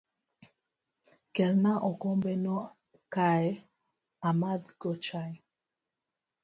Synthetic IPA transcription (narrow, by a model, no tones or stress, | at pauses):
kɛlnaʔɔkɔmbɛnɔ | kaɛ | amad̪ɡɔt͡ʃaj